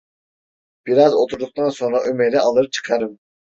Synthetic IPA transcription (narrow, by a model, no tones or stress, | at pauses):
b̥iɾɑzot̪ʰuɾd̪ʊq̚t̪ɑnsoŋɾɑʔymeɾɛɑlˠd̪ɨɾɨp̚t͡ʃʰə̥qʰɑɾɨm